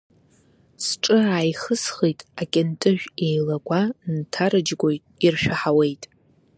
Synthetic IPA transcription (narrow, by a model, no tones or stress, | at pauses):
sʈ͡ʂʼɨaːjχəsχijtʼakʲʼɪntʼɨʒᶣejlaɡʷʼantʰaɾɨd͡ʒɡʷo̞jtʼirʃᶣaħawe̞jtʼ